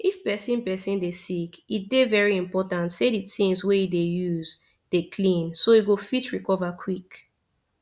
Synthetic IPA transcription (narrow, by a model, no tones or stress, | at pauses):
ifpɛsĩnpɛsĩndesikit̚devɛɹiĩmpɔtãntseditĩŋsweidejuz | d̥ekʰlĩnsoiɡofitɹikɔvakʰwik